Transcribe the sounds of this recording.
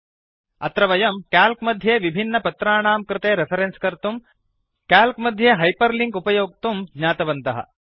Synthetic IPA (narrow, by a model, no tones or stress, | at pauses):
ɐt̪ɾɐʋɐjɐmkaːlkmɐd̪ʱjeːʋibʱinːɐpɐt̪ɾaːɳaːmkɾɪt̪eːɾepʰɐɾenskɐɾt̪um | kaːlkmɐd̪ʱjeːɦɐjpɐɾliŋɡupɐjoːk̚t̪umɡɲaːt̪ɐʋɐnt̪ɐɦɐ̰